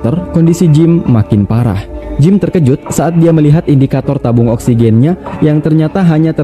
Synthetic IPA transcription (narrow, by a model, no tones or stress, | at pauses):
t̪ərkɔndisid͡ʒɪmːakɪnpaɾa̰hd͡ʒɪmt̪ərkəd͡ʒʊt̪̚saʔat̪̚diaməliɦat̪indikat̪ɔrt̪abʊŋɔksiɡɛnɲajaŋt̪ərɲat̪aɦaɲat̪ə